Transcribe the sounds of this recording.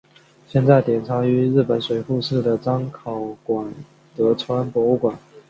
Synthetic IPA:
ɕjɛ˥˧nt͡sa˥˩ɪt̪jɛ˨˩nt͡sʰa˧˥y˧˥ɻ̩˥˩pə˨˩nswe˧˥ɪfu˥˧ʂɻ̩˥˩d̪ə˩ʈ͡ʂɑ˥ŋkʰɑ˨˩ʊkwa˨˩n | t̪ɤ˧˥t͡sʰwa˥npwɔ˧˥u˥˩kwa˨˩˦n

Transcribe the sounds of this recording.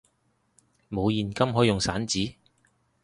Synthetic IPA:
mo˨˧wjiː˨˩nkɐ˥mɦɔː˨˥jʊ˨ŋsaː˨˥nt͡siː˨˥

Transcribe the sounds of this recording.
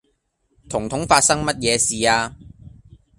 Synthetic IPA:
t̪ʰʊ˨˩ŋt̪ʰʊ˨˥ŋfaː˧t̚sɐ˥ŋmɐ˥t̚jɛː˨˧siː˨aː˧

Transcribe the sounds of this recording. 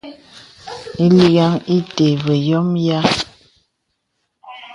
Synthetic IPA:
i˦li˦ɡa˦ŋi˦te˨βə˨jɔ˦mja˦

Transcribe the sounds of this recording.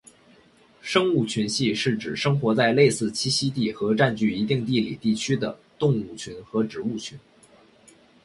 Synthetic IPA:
ʂɤ˥ŋu˥˩t͡ɕʰy˧˥nɕi˥˧ʂɻ̩˥˩ʈ͡ʂɻ̩˨˩ʂɤ˥ŋxwɔ˧˥t͡sa˥˧ɪle˥˧ɪsɹ̩˥˩t͡ɕʰi˥ɕi˥t̪i˥˩xɤ˧˥ʈ͡ʂa˥˧nt͡ɕy˥˩i˧˥t̪i˥˧ŋt̪i˥˩lḭ˨˩t̪i˥˩t͡ɕʰy˥d̪ə̰˨t̪ʊ˥˧ŋu˥˩t͡ɕʰy˧˥nxɤ˧˥ʈ͡ʂɻ̩˨˩u˥˩t͡ɕʰy˧˥n

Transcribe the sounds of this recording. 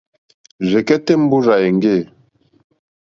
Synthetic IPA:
ʒɛ˨kɛ˦te˦m̩˦bu˦za˨e˨ŋ˦ɡe˦˨

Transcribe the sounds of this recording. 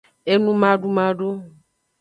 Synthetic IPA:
e˦nũ˦mã˦ɖu˦mã˦ɖo˦

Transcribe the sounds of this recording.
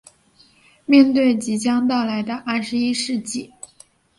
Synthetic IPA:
mjɛ˥˧nt̪we˥˩ɪt͡ɕi˧˥t͡ɕjɑ˥ŋt̪ɑ˥˩ʊla˧˥ɪd̪ə˧ʔa˥˩ʂɻ̩˧˥i˥ʂɻ̩˥˧t͡ɕi˥˩

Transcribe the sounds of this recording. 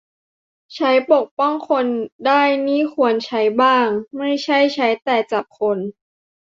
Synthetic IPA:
t͡ɕʰa˦˥jpo˨˩k̚pɔ˥˩ŋkʰo˧ndaː˥˩jniː˥˩kʰu˧ənt͡ɕʰa˦˥jbaː˥˩ŋma˥˩jt͡ɕʰa˥˩jt͡ɕʰa˦˥jt̪ɛː˨˩t͡ɕa˨˩p̚kʰo˧n

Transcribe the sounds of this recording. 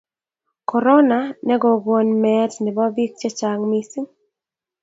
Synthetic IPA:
kɔ˨ɾɔ˦na˨nɛ˦ɡɔ˨ɡwɔ˨nmɛ˨tnɪ˨bɔ˦bi˦k̚t͡ʃɛ˦t͡ʃa˨ŋmisi˦ŋ

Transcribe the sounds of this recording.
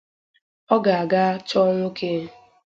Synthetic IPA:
ɔ˦ɡa˨a˨ɡa˦t͡ʃɔ˦ŋʷo˦kʰe˦

